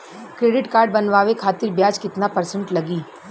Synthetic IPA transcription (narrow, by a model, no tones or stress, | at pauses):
kɾeːɖɪʈkaːɾɖ̚bɐnʋaːʋekʰaːt̪ɪɾbjaːd͡ʒkɪt̪napɐɾsə̃ɳʈlɐɡiː